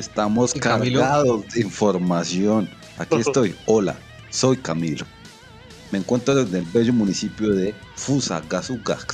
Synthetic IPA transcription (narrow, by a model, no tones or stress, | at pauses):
est̪amoskaɾɣaðozdeiɱfo̞ɾmasjo̞n | a̰kiet̪o̞jola̰ | so̞jkamilo | meːŋkwe̞nt̪ɾoðeðelbeʝomunisipjoðe̞ | fusa̰ɡasuɡa̰k